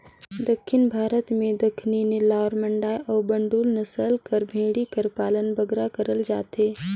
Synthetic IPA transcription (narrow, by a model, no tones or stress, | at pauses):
d̪ɐkʰːɪnbʱaːɾət̪mẽd̪ɐkʰninelaːɾmɐ̃ɳɖaːjʔɔːbɐ̃ɳɖuːlnɐsəlkɐɾbʱẽːɽikəɾpaːlənbɐɡɾakɐɾəld͡ʒaːt̪eː